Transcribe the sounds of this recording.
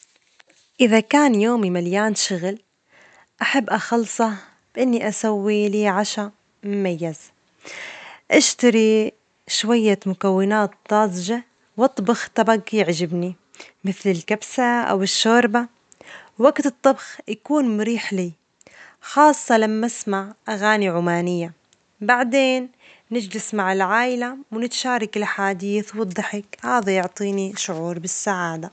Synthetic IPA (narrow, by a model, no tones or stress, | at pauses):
ʔɪðakaːnjoːmimaljaːnʃʊɣl | ʔaħabːʔaxɑlsˤɑ | b̥ʔɪnːiʔasawːiliːʕaʃa | mʊmajːaz | ʔaʃt̪aɾi | ʃwajːamʊkawːɪnaːt̪ːɑːzʒa | wɑt̪ˤːbʊxt̪ˤɑbaɡjɪʕd͡ʒɪbni | mɪθlɪlkabsaʔa̰wɪʃːoːɾba | waɡt̪ɨt̪ˤːɑbxjakuːnmʊɾiːħliː | xɑːsˤːɑlamːasmaʕʔaɣaːniʕʊmaːnɪjːa | baʕd̪eːnː | ɪd͡ʒlɪsmaʕɪlʕaːʔɪlawnɪt̪ʃaːɾˤɑkɪlħaːd̪iːθwɨd̪ˤːɑħɪkhaːðajʊʕt̪ˤiːniʃʊʕuːɾˤbɪsːaʕaːd̪a